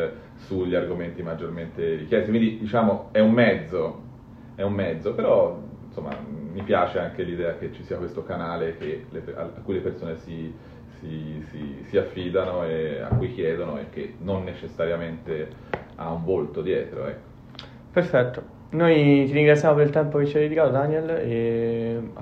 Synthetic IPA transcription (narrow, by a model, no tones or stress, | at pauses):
suʎːiarɡoment̪imad͡ʒːorment̪eɾikjɛst̪kind̪id̪it͡ʃaːmoɛumːɛd̪zːo | ɛumːɛd̪zːopeɾɔnsomːa̰mːipjaːt͡ʃeaŋkelid̪ɛːak̟et͡ʃːisiːakwest̪okanaːlek̟elepa̰akːujlepersoːnesi | sisisiafːid̪anoea̰kːujk̟jɛːd̪onoḛkːenːonːet͡ʃesːaɾjament̪e | a̰uɱvolt̪od̪jɛːt̪ɾo̰ɛ̰kːo̥ | perfɛt̪ːo | nojt̪iɾiŋɡɾat̪sːjamopeɾilt̪ɛmpoket͡ʃːiad̪ed̪ikaːt̪od̪aniele